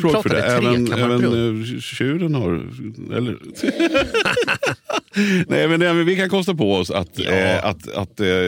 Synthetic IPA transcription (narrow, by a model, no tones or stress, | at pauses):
foːɡfœɖɛ̰ʔɛːvvənɛːvənɕʉ̟ːɾənhaɾɛ̰lːə̰ɾ | nɛɪmɛnd̪ɛmɛnvɪkankʰɔst̪apɔɔsa̰t̪a̰t̪a̰t̪